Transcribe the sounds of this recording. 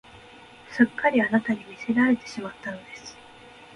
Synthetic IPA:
sɨkːaɾʲianat̪aɲ̟imʲise̞ɾaɾe̞t̪e̞ɕimat̪ːano̞d̪e̞sɨ̥

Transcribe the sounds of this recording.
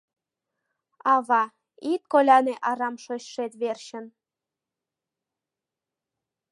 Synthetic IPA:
ɑβɑ | it̪̚kolʲɑneʔɑɾɑmʃoɕʃet̪βerɕə̆n

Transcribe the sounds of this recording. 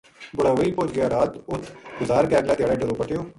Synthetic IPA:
bʊɽaːʋiːpoːd͡ʒɡɪjaːɾaːt̪ʊt̪ʰːɡʊzaːɾkɛːɾlaːd̪eaːɽaːɖəloːpəʈɪjoː

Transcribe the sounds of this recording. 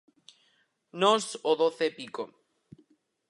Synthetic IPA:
nosoðoθepiko

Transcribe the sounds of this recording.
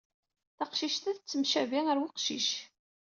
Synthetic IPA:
θɑqʃiʃt̪æθət͡sːəmʃæviŋəɾwiqʃḭʃ

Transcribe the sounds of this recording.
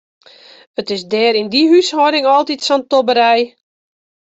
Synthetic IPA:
ətɪsdɛːɾindiɦyshɔdɪŋɔlˠtitsɔntobəɾɛj

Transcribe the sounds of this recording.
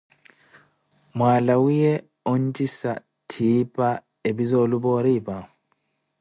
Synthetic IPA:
mwaːlawijɛ | ɔn̩t͡ʃʼisa̰ | tʰipʼa | ebizɔlubɔɾiːpʼa

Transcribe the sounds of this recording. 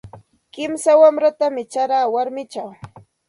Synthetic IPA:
kɪmsawamɾat̪amɪt͡ʃaɾaːwaɾmɪt͡ʃaw

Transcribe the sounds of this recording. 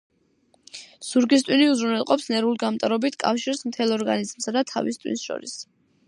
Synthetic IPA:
suɾɡist̪ʼwiniuzɾunɛlˠqʼɔpsnɛɾuliɡamt̪ʼaɾɔbit̪ʰkʼa̰fʃiɾsmt̪ʰɛlˠɔɾɡa̰nizmsad̪at̪ʰa̰vist̪ʼwḭnsʃɔ̰ɾis

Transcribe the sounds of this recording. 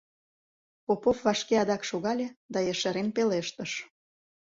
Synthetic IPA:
popofvɑʃkeɑd̪ɑkʃoɣɑlʲed̪ɑjeʃeɾempeleʃt̪əʃ

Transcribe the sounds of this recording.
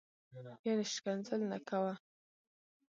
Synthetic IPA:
janeʃkanzəlnakawa

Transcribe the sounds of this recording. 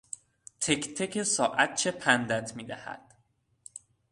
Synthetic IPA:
t̪ʰekt̪ʰekʰesɒːʔæt̪̚t͡ʃʰepʰænd̪æt̪ʰmiːd̪æhæ̰d̪̥

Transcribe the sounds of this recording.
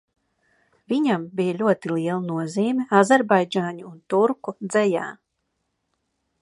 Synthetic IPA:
viɲambijaʎʲuɔt̪ilˠiɛlˠanuɔziːmʲiazɛɾbajd͡ʒaːɲuːnt̪uɾkud̪zɛjaː

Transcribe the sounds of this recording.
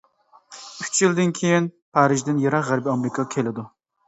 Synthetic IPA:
y̥t͡ʃjild̪ɪnkʲʰejin | pʰɑːɾɪʒd̪ɪnjeɾɑqʁæɾbiɑmɾɪkʰɑkʲʰelɪd̪u

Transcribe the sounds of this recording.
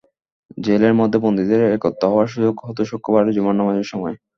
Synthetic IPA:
d͡ʑeleɾmɔd̪ʱːepond̪id̪eɾɛkɔt̪ːoɦɔaɾʃud͡ʑoɡɦɔt̪oʃokʰːobaɽed͡ʑimonːamad͡ʑeɾʃɔmɔe

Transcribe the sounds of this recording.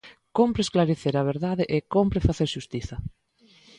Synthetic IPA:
kompɾeːsklaɾeθeɾɐβ̞eɾðaðɪʔekompɾefaθeɾʃust̪iθɐ

